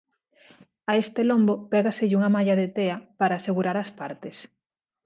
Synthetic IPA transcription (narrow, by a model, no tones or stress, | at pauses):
aest̪elombopɛɣaseʎuŋɐmaʎaðet̪eapaɾaːseɣuɾaɾaspaɾt̪es